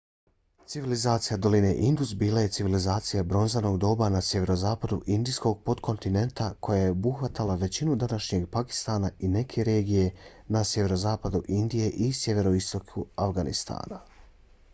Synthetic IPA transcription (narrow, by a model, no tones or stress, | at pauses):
t̪siʋilizaːt̪sijad̪o̞line̞ʔind̪uzbiːlaje̞t̪siʋilizaːt̪sijabɾo̞nzano̞ɡd̪o̞ːbanasjeʋe̞ɾo̞zaːpad̪uʔind̪isko̞ɡ̚po̞d̪kʰo̞nt̪ine̞nt̪akʰo̞jaje̞obuxʋat̪alaʋe̞t͡ɕinud̪anaʃɲe̞ɡpaki̥st̪aːnaine̞kʰe̞ɾe̞ːɡije̞ | nasjeʋe̞ɾo̞zaːpad̪uʔind̪ije̞ʔisje̞ʋe̞ɾo̞ist̪o̞kʰuafɡanḭst̪ʰa̰ːna